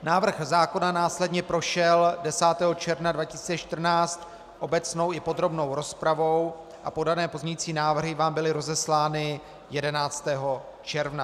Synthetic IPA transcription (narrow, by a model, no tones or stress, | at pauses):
naːvr̩xzaːko̞nanaːslɛdɲɛpɾo̞ʃɛldɛsaːt̪ɛːɦo̞t͡ʃɛɾvnadvacɪ̥si̥ːt͡sɛt͡ʃt̪r̩naːt͡st̪ | ʔo̞bɛt͡sno̞wɪpo̞d̪ɾo̞bno̞wɾo̞spɾavo̞w | ʔa̰po̞danɛːpo̞zɲɛjiːt͡siːnaːvr̩ɦɪvaːmbɪlɪɾo̞zɛslaːnɪ | jɛdɛnaːt͡st̪ɛːɦo̞ | t͡ʃɛɾvna